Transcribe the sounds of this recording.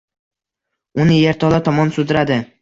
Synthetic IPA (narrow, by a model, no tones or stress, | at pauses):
ʊnɪjeɾt̪ʰɒlˠat̪ʰɒmɒnsʊd̪ɪɾad̪ɪ